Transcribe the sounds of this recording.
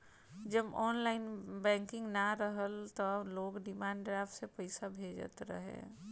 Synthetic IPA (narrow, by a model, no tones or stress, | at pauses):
d͡ʒəbɔːnlaːɪnbɛ̃ːŋkɪ̃ŋɡnaɾəɦəlt̪ɔloːɡɖɪmaːɳɖɖɾaːfʰʈsepəɪsabʱeːd͡ʒə̰t̪ɾə̰ɦḛ̃ː